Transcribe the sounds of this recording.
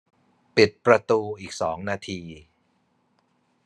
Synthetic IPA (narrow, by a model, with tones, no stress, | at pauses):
pi˨˩t̪̚pɾa˧t̪uː˧ʔiː˨˩k̚sɔː˩˦ŋnaː˧t̪ʰiː˧